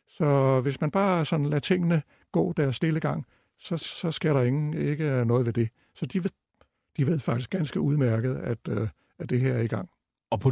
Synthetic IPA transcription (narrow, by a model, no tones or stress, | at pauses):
sɒ̽ʋe̝smænb̥ɑ̈ːsɒ̽n̩læt͡sʰe̝ŋ̰ənə | ɡ̥ɔ̰̽ːd̥æɐsːd̥e̝ləɡ̥ɑ̈ŋ̰ | sɒ̽ɒ̽sɡ̥e̝ɐ̰ɾ̥ɑe̝ŋn̩eɡ̥ənɔ̽ːðˠʋe̝d̥e̝ | sɒ̽d̥iʋe | d̥iʋe̝ð̰ˠfɑ̈ɡ̥isɡ̥ænsɡ̥əuðˠmæɐɡ̥ð̞̩ˠæd̥ | æd̥e̝ɦeɐ̰æɐiɡ̥ɑ̈ŋ̰ | ɒpʰɒ